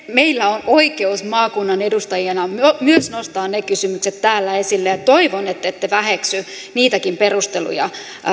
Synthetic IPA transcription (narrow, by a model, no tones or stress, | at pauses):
meilːæonoikeusmɑːkunːɑnedust̪ɑjienɑmomyøsnost̪ɑːnnekysymykset̪t̪æːlːæesilːejɑt̪oiʋonet̪ːet̪ːeʋæheksy | niːt̪ækimperust̪elṵjɑ̰